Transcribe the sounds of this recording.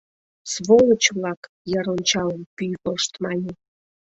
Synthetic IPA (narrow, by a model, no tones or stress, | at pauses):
sβolˠət͡ɕβlˠɑk | jɑɾonʲt͡ɕɑləmpyjɣoʃt̪mɑnʲe